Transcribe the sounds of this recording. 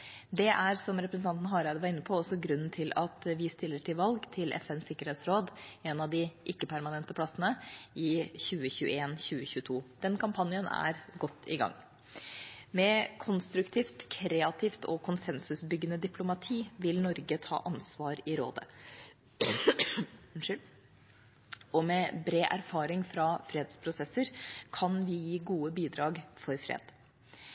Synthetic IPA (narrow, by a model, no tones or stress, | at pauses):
d̪ɛʔæɾsɔmɾɛpɾəsn̩t̪ʰɑnt̪n̩ɦɑːɾæɪd̪ʋɑɾɪnːəpʰɔɔsɔɡɾʉnn̩t̪ʰɪlɑt̪ʋɪst̪ɪlːəʈʰɪlʋɑlɡt̪ʰɪlʔɛ̰fɛnsɪkːəɾheːt̪sɾoːd̪ɛnɑʋd̪ɪʔɪkːəpʰæɾmɑnɛnt̪əpʰlɑsːənəɪçʉːəçʉːə̰eːnçʉːəçʉːət̪ʰuːd̪̥ɛnkʰɑmpʰɑnjənæ̰ɾɡɔt̪ːɪ̰ɡɑ̰ŋː | mɛkʰʊnst̪ɾʉkt̪ʰiːft̪kʰɾeːɑt̪ʰɪːft̪ʰɔkʰʊnsɛnsʉsbʏɡːənəd̪ɪpʰlʊmɑt̪ʰiːʋɪlnɔɾɡət̪ʰɑ̰ːʔɑnsʋɑːɾɪɾo̰ːd̪ə̰ | ɔmɛbɾeːʔæɾfɑːɾɪŋfɾɑfɾeːd̪spʰɾʊsɛsəɾkʰɑnʋɪjiːɡuːəbiːd̪ɾɑːɡfɔɾfɾḛːd̪̥